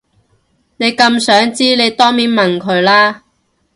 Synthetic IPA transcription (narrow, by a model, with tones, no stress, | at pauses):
ne˨˧jkɐ˧msœː˨˥ŋt͡siː˥ne˨˧jt̪ɔː˥ŋmiː˨˥nmɐ˨nkʰɵ˨˧ɥlaː˥